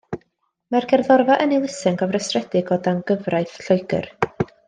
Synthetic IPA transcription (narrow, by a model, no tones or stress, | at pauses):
marɡɛrðɔrvaʔənilˠɪsɪŋɡʰɔvrəsrɛdɪɡɔdanɡəvrajθɬɔɨɡə̰r